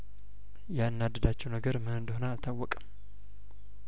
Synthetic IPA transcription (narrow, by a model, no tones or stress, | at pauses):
jaɨnːad̪əd̪at͡ʃːɛwnəɡəɾmɨhɨnd̪honaːlt̪ʰawːɔkʼəm